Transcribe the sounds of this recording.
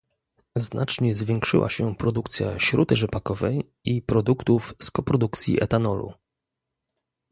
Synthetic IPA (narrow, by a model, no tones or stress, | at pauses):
znʔat͡ʂɲɛzvʲjɛŋkʂɘ̰wʔa̰ɕɛpɾɔd̪ukt̪sʲja̰ɕɾud̪ɘʐɛpakɔvɛj | ipɾɔd̪ukt̪ufskɔpɾɔd̪ukt̪sʲjḭʔɛt̪anɔlṵ